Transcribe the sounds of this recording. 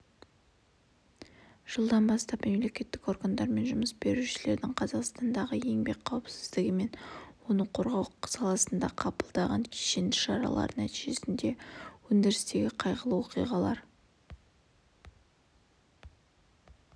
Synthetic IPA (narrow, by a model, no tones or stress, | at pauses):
ʒ̥əlˠd̪ɑnbɑst̪ɑpme̞mle̞kʲe̞t̪ːɪko̞rɡand̪ɑɾme̞nʒʊməsbe̞ɾuʃɪle̞ɾd̪ɪŋqʰɑzɑqst̪ɑnd̪ɑʁəje̞ŋbe̞k̚qʰɑwəpsɪ̥zd̪ɪɡʲɪme̞nwo̞nəɴqʰo̞ɾʁɑwsɑlˠɑsənd̪ɑqʰɑpəlˠd̪ɑʁɑŋkʲʰeʃend̪ɪʃɑɾɑ̰lˠɑ̰ɾənæt̪iʒe̞sɪnd̪e̞wɵnd̪eɾɪst̪e̞ɡʲɪqʰɑjʁəlˠəwo̞qijʁɑlˠɑɾ